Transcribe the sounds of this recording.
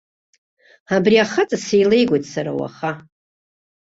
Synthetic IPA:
abriaχat͡sʼasejle̞jɡʷojtʼsaɾa̰wa̰χa

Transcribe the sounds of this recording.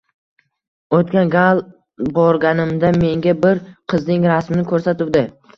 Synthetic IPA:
ot̪kʲanɡalˠ | bɒɾɡʲanɪmd̪ame̞ŋɡʲabɪɾqʰɨznɪŋɾasmɪnɪkʰɵɾsat̪ɪwd̪ɪ

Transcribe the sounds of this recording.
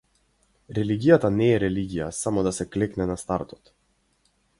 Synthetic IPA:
ɾɛliɡʲijat̪anɛːɾɛliɡʲija̰samɔd̪asɛklɛknɛnast̪aɾt̪ɔ̥t̪

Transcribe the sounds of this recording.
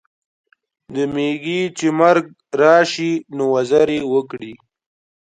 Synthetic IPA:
d̪əmeɡit͡ʃemaɾɡ̚ | ɾɑːʃinowazaɾewəkɽi

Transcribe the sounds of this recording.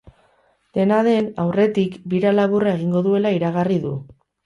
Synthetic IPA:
d̪̥e̞naðe̞nawre̞t̪ikbiɾalaβurae̞ɣiŋɡo̞ðue̞laiɾaɣ̞ariðu

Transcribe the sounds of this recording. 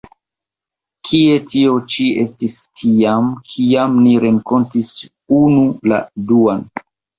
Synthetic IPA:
kʰie̞tʰio̞t͡ʃie̞stistʰiamkʰiamniɾe̞ŋko̞ntis | unula̰duan

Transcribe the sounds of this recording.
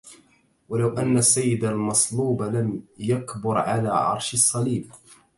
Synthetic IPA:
walawʔanːasːajːɪd̪almɑsˤluːbalamjakbʊɾʕalaːʕɑ̰ɾˤʃɑsˤːɑliːb̚

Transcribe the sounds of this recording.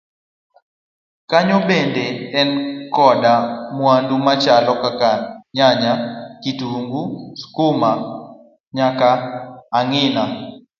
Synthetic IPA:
kaɲɔbendeɛnkɔdamwandumat͡ʃalɔkakaɲaɲakituŋɡuskʊma | ɲakaːŋɪna

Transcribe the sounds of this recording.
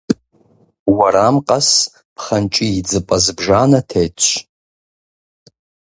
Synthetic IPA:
waɾamqʼas | pʰχant͡ʃʼiid͡zɨpʼazbʐanatʰejt͡ʃʷʰ

